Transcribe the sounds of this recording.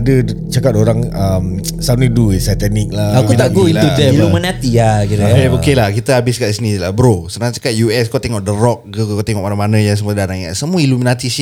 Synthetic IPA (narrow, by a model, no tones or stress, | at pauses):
dət͡ʃakat̪̚oɾaŋəm | saniduesat̪anik̚laakut̪aɡoilueilumənat̪iakiɾaeokelahkit̪əabɪskaʔisənila̰bəɾosənaŋt͡ʃakat̪̚juɛskot̪eŋɔʔ̚dəɾɔk̚ɡəkokot̪eŋɔʔ̚manamanajas̬əmuədanaŋaʔsəmuiluminat̪is